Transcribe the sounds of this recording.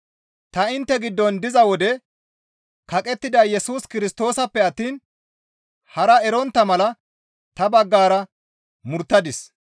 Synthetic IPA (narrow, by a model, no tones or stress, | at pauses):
t̪ɐɪnt̪ːɛɡɪd̪ːɔnd̪ɪzɐwɔd̪ɛ | kɐkʼɛt̪ːɪd̪ɐjɛsuːskɪɾɪst̪o̞ːsɐpːɛɐt̪ːiːn | hɐɾɐɛɾɔnt̪ːɐmɐlɐ | t̪ɐbɐɡːaːɾɐ | mʊɾt̪ːɐd̪ɪs